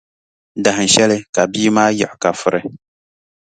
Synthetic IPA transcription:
da˨hɨ˨n˨ʃɛ˦lɨ˦ka˨biː˦maː˦jɛ˨ʔʊ˨ka˨fʊ˦ɾɨ˦

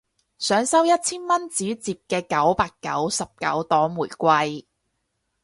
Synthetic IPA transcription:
sœː˨˥ŋsɐ˥wjɐ˥t̚t͡sʰiː˥nmɐ˥nt͡siː˨˥t͡siː˨p̚kɛː˧kɐ˨˥wpaː˧kːɐ̰˨˥wsɐ˨p̚kɐ̰˨˥wt̪ɔː˨˥muː˨˩jkʷɐ˧j

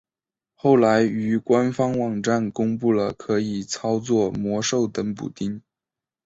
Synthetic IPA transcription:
xo˥˩ʊla˧˥ɪy˧˥kwa˥nfɑ˥ŋwɑ˨˩ŋʈ͡ʂa˥˩nkʊ˥ŋpu˥˩lə˩kʰɤ˧˥i˨˩t͡sʰɑ˥ʊt͡swɔ˥˩mwɔ˧˥ʂo˥˩ʊt̪ə˧˥ŋpṵ˨˩t̪i˥ŋ

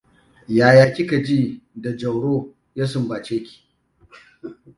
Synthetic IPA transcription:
jaː˨jaː˨kʲɪ˦ka˨d͡ʒiː˦da˨d͡ʒɐ˨wɽoː˦ | ja˦sʊ˨mbaː˨t͡ʃeː˦kʲi̥ː˨

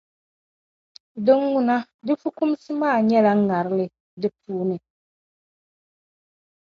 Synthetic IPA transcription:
dɪ˦ŋwu˨na˦ | dɪ˦fu˦ku˦msi˦maː˦˨ɲɛ˦la˨˦ŋ˦ŋːa˨ɾɪ˦lɪ˨ | dɪ˦puː˦nɪ˨

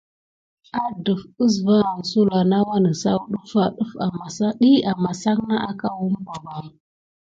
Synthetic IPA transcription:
a˦də˨fə˦s̬va˦˨nə˨su˦la˨na˦wa˦nə˨sa̰˦wɗu˦fa˦ɗu˦fa˨ma˨sa˦ɗi˦a˨ma˨sa˦ŋna˦ʔa˦ka˦wu˦mka˨ba˨

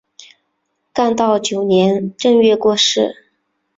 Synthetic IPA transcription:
ka˥˧nt̪ɑ˥˩ʊt͡ɕjo˨˩ʊnjɛ˧˥nʈ͡ʂə˥˧ŋɥɛ˥˧kwɔ˥˧ʂɻ̩˥˩

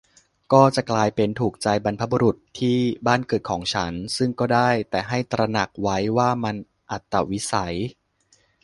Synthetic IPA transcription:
kɔː˥˩t͡ɕa˨˩klaː˧jpe˧nt̪ʰuː˨˩k̚t͡ɕa˧jba˧npʰa˦˥bu˧ɾu˨˩t̪ʰːiː˥˩baː˥˩nkɤː˨˩t̪̚kʰɔː˩˦ŋt͡ɕʰa˦˥nsɯ˥˩ŋkɔː˥˩daː˥˩jt̪ɛː˨˩ɦa˥˩jt̪ɾa˧na˨˩k̚wa˦˥jwaː˥˩ma˧n | ʔa˨˩t̪ːa˧˩wi˦˥sa˩˦j

